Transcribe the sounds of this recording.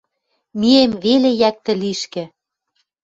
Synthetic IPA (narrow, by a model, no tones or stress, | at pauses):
miemβelejæk̚t̪ɘ̆liʃkɘ̆